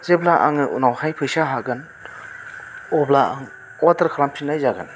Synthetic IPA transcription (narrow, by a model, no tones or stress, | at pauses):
zeblaʔa̰ŋɯʔṵnawhajpʰɯjsaɦaɡan | ɔblaa̰ŋ | ɔtaɾkʰɾampʰinajzaɡan